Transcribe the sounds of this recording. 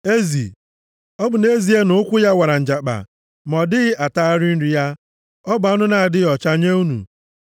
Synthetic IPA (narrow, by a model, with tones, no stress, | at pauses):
e˦zḭ˨ | ɔ˦bʊ˨ne˦zi˨e˦nʊ˦kʷʊ˦ja˦wa˨ɾa˨n̩˨d͡ʒa˨k͡pa̰˨ | mɔ˨dɪ˦ɣɪ˦ʔa˨ta˦a˦ɾɪ˦n̩˦ɾi˨˦ja˦ | ɔ˦bʊ˨a˦nʊ˦na˨a˨dɪ˦ɔ˨t͡ʃa˦ɲe˦u˦nṵ˨